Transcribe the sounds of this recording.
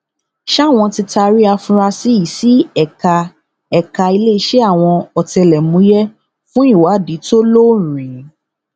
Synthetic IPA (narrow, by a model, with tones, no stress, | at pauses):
ʃa˦˨w̃ɔ̃˧ti˧ta˧ɾi˦a˧fũ˧ɾa˧si˦i˨si˦ɛ˦˨ka˧ | ɛ˦˨ka˧i˧le˦i˧˦ʃe˦a˦˨w̃ɔ̃˧ɔ˨tɛ˧lɛ˨mũ˨˦jɛ˦ | fũ˦i˦˨wa˨˦˨di˨˦to˦lo˦˨˦ɾ̃ĩ˨˦